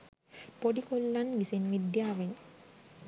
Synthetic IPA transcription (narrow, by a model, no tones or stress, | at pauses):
poɖikolːanʋisenʋid̪jaːʋeɲ